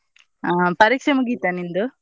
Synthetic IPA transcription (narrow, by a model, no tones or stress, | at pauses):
pɐɾikʂɐmuɡit̪ːanind̪u